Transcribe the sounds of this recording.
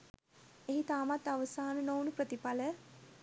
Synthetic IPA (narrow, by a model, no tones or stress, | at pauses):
eɦit̪aːmat̪ːaʋəsaːnənownupɾət̪ipalə